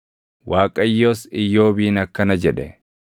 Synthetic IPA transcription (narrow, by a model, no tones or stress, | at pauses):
wʔaːkʼɐjːoːsɪjːo̞ːbiːnɐkːɐnɐd͡ʒɛᶑɛ